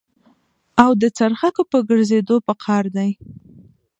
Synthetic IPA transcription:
awd̪ət͡saɾxakopəɡəɾzed̪opəkʰɑɾd̪aj

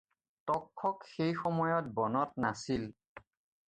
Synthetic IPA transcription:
tɔkʰːɔkxejxɔmɔjɔt̚bɔnɔt̚nasil

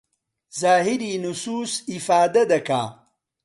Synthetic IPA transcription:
zaːɦiɾinusuːsifaːd̪ɐd̪ɐka̰

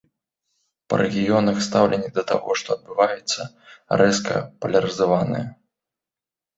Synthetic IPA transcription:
pɐ̰ɾʔɛɣʲijɔnɐxst̪awlʲɛnʲːid̪ɐt̪a̰ɣɔʂt̪ɔɐd̪̚bɨvajɛt̪sːɐ | rɛskɐ̰pɐlʲɐɾɨzavanɨ̰jɐ

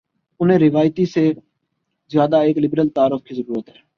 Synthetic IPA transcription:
ʊn̤ẽːɾɪʋaːjt̪iːseː | zjaːd̪aːeːklɪbɾəlt̪aːɾʊfkʰiːzəɾuːɾət̪ɦɛː

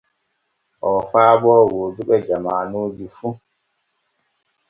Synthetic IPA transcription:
ʔɔfaːbɔːwoduɓɛd͡ʒamaːnuːd͡ʒifu

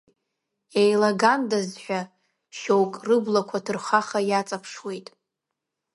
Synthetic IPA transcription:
ejlaɡandazħʷᶣa | ʃowkʼrɨblakʷʰadʰɨrχaχajat͡sʼapʰʂwe̞jtʼ

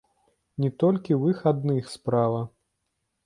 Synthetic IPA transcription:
nʲɛt̪ɔlʲkʲiwɨxad̪nɨxspɾavɐ

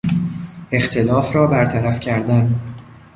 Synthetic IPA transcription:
e̞xt̪ʰe̞lɒːfɾɒːbæɾt̪ʰæɾæfcʰæɾd̪æn

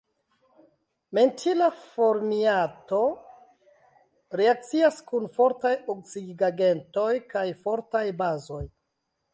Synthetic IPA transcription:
me̞ntʰilafo̞ɾmiato̞ | ɾeak̚t͡siaskunfo̞ɾtajok̚siɡɡaɡe̞nto̞jkajfo̞ɾtajbazo̞j

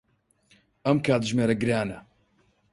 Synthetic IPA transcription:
ɐmkʰaːt̪ʒmeːɾɐɡɨɾaːnɐ̰

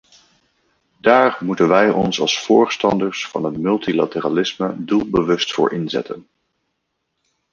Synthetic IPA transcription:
daːrmutənʋɛjɔnsɑ̰lˠsfʊːɹstɑndəɹsfɑnɦətmɵlˠtila̰təraːlɪsmədulˠbəʋɵstfʊ̰ːɹʔɪnzɛ̰tən

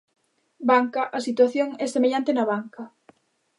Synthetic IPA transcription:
baŋkɐʔɐsit̪waθjoŋɛsemeʎant̪enɐβaŋkɐ

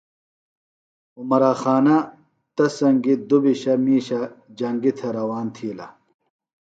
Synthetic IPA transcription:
umɐɾaːxaːnɐ | t̪ɐsɐŋɡid̪ubiɕɐmiːɕɐd͡ʑɐŋɡit̪ʰɐɾɐwaːnt̪ʰiːlɐ̰

